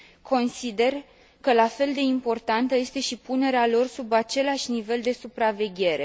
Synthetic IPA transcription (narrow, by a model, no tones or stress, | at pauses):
kʰo̞nsid̪e̞r | kəlafe̞ld̪e̞impo̞rt̪ant̪əje̞st̪e̞ʃipune̞ɾealo̞rsubat͡ʃe̞laʃʲnive̞ld̪e̞supɾave̞ɡʲe̞ɾe̞